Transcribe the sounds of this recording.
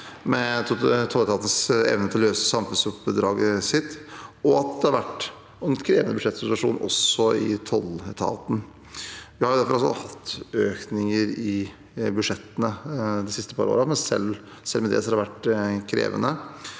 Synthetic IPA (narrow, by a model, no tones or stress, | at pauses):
mɛt̪ʰɔlːɛt̪ʰɑːt̪ənəsɛ̰ʋnət̪ʰɪlløːsəsɑmfʉnsʉpd̪ɾɑːɡəsɪt̪ːɔɑt̪̚d̪ɛhɑɾʋæʈː | ɛnkʰɾeːʋənəbʉʂɛt̪sɪt̪ʉɑʂṵːnʔɔ̰sɔɪt̪ʰɔlɛt̪ʰɑ̰ːt̪n̩ | ʋɪhɑɾjʊd̪æɾfɔɾɔlsɔ̰hɑt̪ːøːknɪŋəɾɪ | bʉʂɛt̪ːənəd̪ɛsɪst̪əpʰɑɾo̰ːɾɑmɛnsɛ̰lsɛlːmɛd̪ɛ̰sɔɑdɑɾʋæʈːkʰɾḛːʋə̰nə